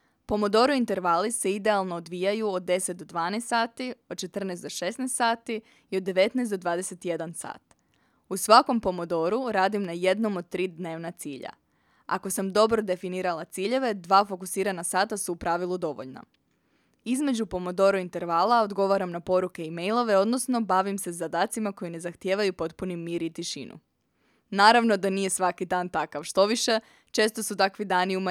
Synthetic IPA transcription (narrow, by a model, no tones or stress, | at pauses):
po̞mo̞d̪o̞ɾuint̪e̞ɾʋalise̞id̪e̞alˠno̞ːd̪ʋijajuod̪̚ːe̞set̪̚d̪od̪ʋaːnest̪ːaːt̪iod̪̚t͡ʃe̞t̪r̩nɛst̪d̪oʃe̞snest̪saːt̪i | iod̪ːe̞ʋe̞t̪nɛːsd̪o̞d̪ʋaːd̪e̞se̞t̪ije̞d̪ansa̰ːt̪ | usʋako̞mpo̞mod̪o̞ɾuɾaːd̪imnaje̞d̪no̞mod̪̚t̪ɾiːd̪ne̞ːʋnat̪siːʎa̰ | a̰ko̞samd̪o̞bɾo̞d̪e̞finiːɾalˠat̪siːʎe̞ʋe̞d̪ʋaːfo̞kusiːɾanasaːt̪asuːpɾaːʋilˠud̪o̞ʋo̰ʎna̰ | izme̞d͡ʑupo̞mod̪o̞ɾuint̪e̞ɾʋaːlˠao̞d̪ɡo̞ʋaɾamnapo̞ɾuke̞imejlˠo̞ʋeo̞d̪no̞sno̞baʋimse̞zad̪aːt̪simako̞jine̞zaxt̪je̞ːʋajupo̞t̪punimjiːɾit̪iʃḭnṵ | naːɾaʋno̞d̪anije̞sʋakid̪aːnt̪akaʋʃt̪o̞ʋiʃe̞ | t͡ʃe̞ːst̪o̞sut̪akʋid̪aːniuma